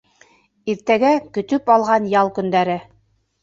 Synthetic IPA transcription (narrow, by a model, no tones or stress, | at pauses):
iɾt̪æɡækɵ̆t̪ɵpɑlˠʁɑnjɑlˠkɵ̆nd̪æɾɘ